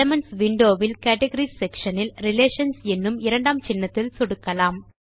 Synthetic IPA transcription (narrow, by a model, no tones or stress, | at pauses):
ɐmɐnsʋɪɳɖoːʋɪlkɐːʈɐɣɐɾisɛkʂɐnɪlɾɪleːʂɐnsɛnːɯmɪɾɐɳɖaːmt͡ʃɪnːɐt̪ːɪlsɔɽɯkːɐlaːm